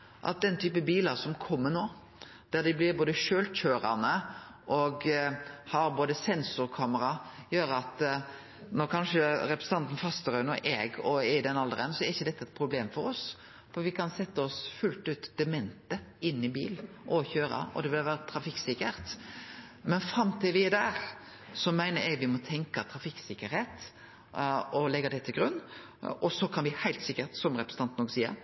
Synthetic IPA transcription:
ʔɑ̰t̪̚d̪ɛnt̪ʰyːpəbiːlɑsɔmkʰɔmːənoː | d̪̥æʁd̪ɪblɪɾboːd̪əʃøːlc͡çøːɾɑ̰nəʔɔɡhɑɾboːd̪əsɛnsʊɾkʰɑːməɾɑjøːɾəɑt̪ | nɔkʰɑnʂəɾɛpɾəsn̩t̪ʰɑnt̪n̩fɑst̪əɾœʏnɔʔɛɡɔɛd̪ɛnɑld̪əʁɛ̰nsɔɛɾɪçːəd̪ɛt̪ːəɛt̪̚pʰɾʊbleːmfɔɾɔs | fɔɾʋɪkʰɑnsɛt̪ːəɔsfʉlt̪ʉːt̪d̪̥ɛmɛnt̪əɪnːɪbḭːl | ʔɔçøːɾɑ̰ɔ̰d̪ɛʋɪlhɑʋæːɾət̪ʰːɾɑfɪkːsɪkəɾt̪ | mɛnfɾɑmt̪ʰɪlʋɪɛd̪æɾ | sɔmæɪnəɾɛɡʋɪmɔt̪ʰɛŋkɑt̪ʰɾɑfɪkːsɪkːəɾheːt̪ | ɔlɛɡɑd̪ɛt̪ʰɪlɡɾʉnː | ɔsɔkʰɑnʋɪhæɪlt̪sɪkːəɾt̪sɔmɾɛpɾsə̥nɑnt̪n̩ɔɡsiːə̰ɾ

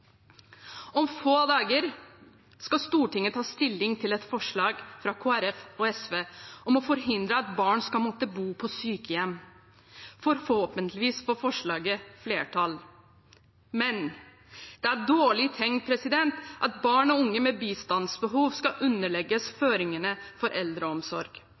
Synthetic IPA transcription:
ɔmfoːd̪ɑːɡəɾ | skɑst̪uːʈɪŋːət̪ʰɑːst̪ɪlːɪŋt̪ʰɪlɛt̪fɔʂɭɑːɡfɾɑkʰoːæɾɛfɔɛsʋeːʔɔmɔfɔɾɦɪnd̪ɾəɑt̪bɑːɳskɑlmɔt̪əbuːpʰɔsyːkəjɛmː | fɔɾhoːpənt̪ʰlɪʋiːsfɔfɔʂɭɑːɡəfleːʈʰɑl | mɛn | d̪̥ɛæɖoːɭɪt̪ʰɛŋ̚pʰɾɛsɪd̪ɛnt̪ʔɑt̪bɑːɳɔʊŋːəmɛbiːst̪ɑnsbəɦuːʋskɑʔʉnːəɭɛɡəsføːɾɪŋənəfɔɾʔɛld̪ɾəɔmsɔɾɡ̥

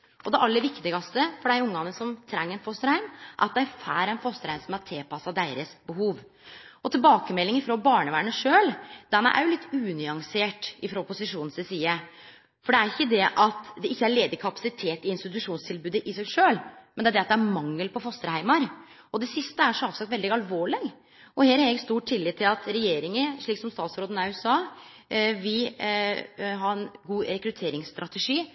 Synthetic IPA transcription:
ʔɔd̪ɛʔɑlːəʋɪkt̪ɪɡɑst̪əfɔɖæɪʊŋːɑnːəsɔmt̪ʰɾɛŋːɛɪnfɔst̪əɾhæɪmʔɑt̪d̪ɛæɾfæːɾɛɪnfɔst̪əɾhæɪmsɔmæʈʰeːpʰɑsɑd̪æɪɾəsbəɦuːʋ | ɔt̪ʰɪlbɑːkəmɛlːɪŋɪfɾoːbɑːɳəʋæːɳəʂøːld̪ɛnæ̰ʔæ̰ɾjʊlɪt̪ːʉːnʏɑŋseːʈɪfɾoːpʊsɪʂuːnnsɛsiːə | fɔɖɛæɾɪçːəd̪ɛʔɑt̪d̪ɛʔɪçːəæɭeːd̪əkʰɑpɑ̥sɪt̪ʰeːt̪ɪɪnst̪ɪt̪ʉʂuːnst̪ʰɪlbʉːd̪əʔɪsæʂøːlmɛnd̪ɛæd̪ɛɑt̪̚d̪ɛæɾmɑŋːəlpɔfɔst̪əɾhæɪmɑɾ | ɔd̪ɛsɪst̪əæʂɔɑːʋsɑk̚t̪ʋɛld̪ɪɡɑlʋoːɭɪɡ | ɔheːɾæɾɪɡst̪uːʈʈʰːɪlːɪt̪ʰːɪlɑt̪ɾɛjeːɾɪŋəʂɭiːksɔmst̪ɑːt̪sɾoːd̪ənɑʉsɑː | ʋɪ | ɦɑɾɛnɡuːɾɛkɾʉt̪ʰeːɾɪŋst̪ɾʔɑt̪ɛʂiː

